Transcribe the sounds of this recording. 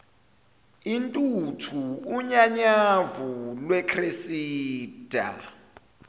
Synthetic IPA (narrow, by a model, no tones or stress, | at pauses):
intʼutʰuːɲaɲavulwɛkʰresiːd̥ʱa̰